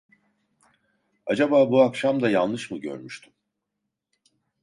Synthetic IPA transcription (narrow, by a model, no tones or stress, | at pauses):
ad͡ʒabaːbuakʃamd̪ajanlɯʃmɯɟø̰ɾmyʃt̪ʰym